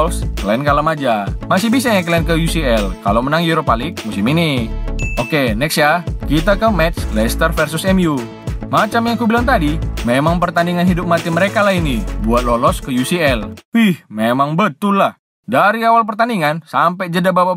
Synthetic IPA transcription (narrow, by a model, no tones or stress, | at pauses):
sklɛnkalamad͡ʒamasɪhbisaɲak̬lɛnkəjusiɛlka̰lomənaŋjuɾopalɪk̚musɪminiokenɛksjakit̪akəmɛt̪slɛst̪ərfɛrsʊsɛmju | mat͡ʃamjaŋkubilant̪adimemaŋpərt̪andiŋanɦidʊp̚mat̪iməɾekalahinibuat̪̚lolɔskəjusiɛlihmemaŋbət̪ʊlːah | daɾiawalpərt̪andiŋansampɛd͡ʒədababa